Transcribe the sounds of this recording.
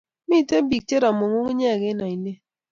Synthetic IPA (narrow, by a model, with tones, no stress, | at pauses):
mi˦˨te˦bi˨k̚t͡ʃe˦ɾa˨mo˨ŋu˦ŋ˦ɲɛ˦˨ɡe˦na˨i˨ne˦